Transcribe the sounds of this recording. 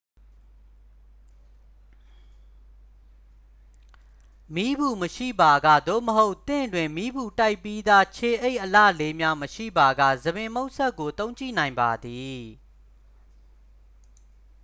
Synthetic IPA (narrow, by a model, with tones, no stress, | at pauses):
mi˦bu˨məʃḭ˦˨ba˨ɡä̰˦˨d̪o̰˦˨məɦo˦ʊʔt̪ɪ̰̃˦˨ndwɪ̃˨mi˦bu˨ta˦ɪpːi˦d̪a˦t͡ɕʰe˨ʔe˦ɪʔəlä̰˦˨le˦mja˦məʃḭ˦˨ba˨ɡä̰˦˨zə˨bɪ̃˨mo˦ʊʔsɛ˦kːo˨t̪õ˦ʊ̃ɲt͡ɕḭ˦˨nã˨ɪ̃mba˨d̪i˨